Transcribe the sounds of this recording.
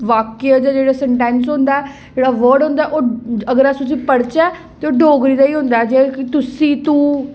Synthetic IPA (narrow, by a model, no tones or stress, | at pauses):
ʋaːkead͡ʒaːd͡ʒeːɽaːsɛɳʈɛ̃ːnsɦõːnd̪aːɛː | d͡ʒeːɽaːʋəːɾɖɦõːnd̪aɛːʔoːəɡəɾast̪ʊs̬ĩːpəɽt͡ʃaː | t̪eːoːɖoːɡɾiːd̪aːiːɦõnd̪aːɛd͡ʒekɪt̪ʊsĩːt̪ũː